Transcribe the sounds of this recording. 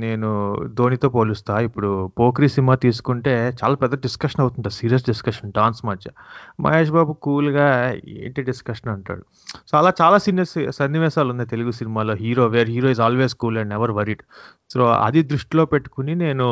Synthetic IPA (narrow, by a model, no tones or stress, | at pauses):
ne̞ːnud̪o̞ːnit̪o̞ːpoːlust̪aːipːuɽupoːkɾiːsimaːt̪iːsu̥kuɳʈe̞ːt͡ʃaːlaːpɛd̪ːɾɐɖiskɐʂɐnɐwt̪unɳʈaːsiːɾijɐs̬ɖiskɐʂɐnɖaːnsmɐd͡ʒt͡ʃɐmʔɐ̰jeːʂ̬baːbukuːlɡaːḛːɳʈiɖiskɐʂɐnɐɳʈa̰ːɽu | t͡ʃaːlaːt͡ʃaːlaːsinɐssɐnːiʋɛːʃaːlund̪at̪̬e̞luɡusinimaːlo̞ːɦiːɾoːʋeːɾɦiːɾoːizaːlʋeːzkuːlɐ̃ɳɖnɛʋɐɾʋɐɾiɖ | soːɐ̰d̪id̪ɾuʂʈilo̞ːpeʈːu̥kunine̞ːnu